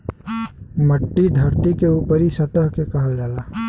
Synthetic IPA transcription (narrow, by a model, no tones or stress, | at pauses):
məʈːid̪ʱɐɾt̪ikeuːpəɾisət̪əɦkekəɦəld͡ʒaːlaː